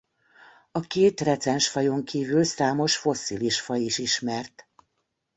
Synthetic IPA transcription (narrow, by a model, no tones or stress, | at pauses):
ɒkeːt̪rɛt̪sɛnʃfɒjo̞ŋkiːvylsaːmo̞ʃfo̞siliʃfɒiʃiʃmɛrt̪